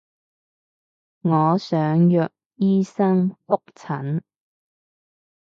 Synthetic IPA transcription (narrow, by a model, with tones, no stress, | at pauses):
ŋɔː˨˧sœː˨˥ŋjœː˨k̚jiː˥sɐ˥ŋfʊ˥k̚t͡sʰɐ˨˥n